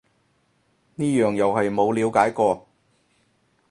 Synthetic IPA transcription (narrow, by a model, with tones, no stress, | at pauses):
niː˥jœː˨ŋjɐ˨whɐ˨jmo˨˧wliː˨˧wkaː˨˥jkɔː˧